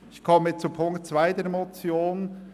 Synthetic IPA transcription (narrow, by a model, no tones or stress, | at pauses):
ɪçkʰɔmɪt͡supʰʊŋktt͡sv̥aɪdeɾmot͡sjoːn